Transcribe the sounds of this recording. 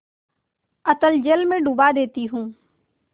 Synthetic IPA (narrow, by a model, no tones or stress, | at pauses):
ət̪əld͡ʒeːlmẽːɖubaːd̪eːt̪iːɦũː